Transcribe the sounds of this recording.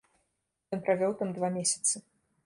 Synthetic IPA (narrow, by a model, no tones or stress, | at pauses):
jɔnpɾavʲɔwt̪amd̪vamʲesʲɐ̥t̪sɨ